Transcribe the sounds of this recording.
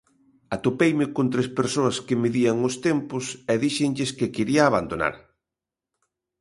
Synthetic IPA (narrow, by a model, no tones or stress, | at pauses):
at̪opejmɪkont̪ɾespeɾsoɐskɪmiðiaŋʊst̪empʊsɛðiʃɪŋʎɪskɪkeɾiaːβand̪ona̰ɾ